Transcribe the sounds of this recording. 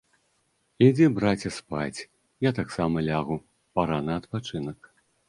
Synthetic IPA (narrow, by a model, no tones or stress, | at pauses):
id͡zʲɛbɾat͡sʲɐspat͡sʲ | jat̪aksamɐlʲaɣu | paɾanɐɐt̪pat͡ʂɨnɐk